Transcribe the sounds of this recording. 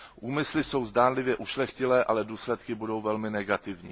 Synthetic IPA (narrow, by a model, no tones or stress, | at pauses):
ʔuːmɪslɪso̞wzdaːnlɪvjɛʔuʃlɛxcɪlɛːʔalɛduːslɛt̪kɪbudo̞wvɛlmɪnɛɡat̪ɪvɲiː